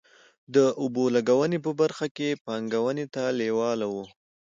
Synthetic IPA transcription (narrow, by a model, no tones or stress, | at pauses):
d̪əʔʊbolaɡawənep̬əbaɾxakepɑŋɡawənet̪alewɑlawu